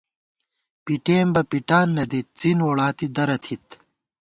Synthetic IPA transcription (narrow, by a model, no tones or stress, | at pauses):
piʈeːmbɐpiʈaːnːɐd̪it̪̚t͡sinwoɽaːt̪id̪ɐɾɐt̪ʰit̪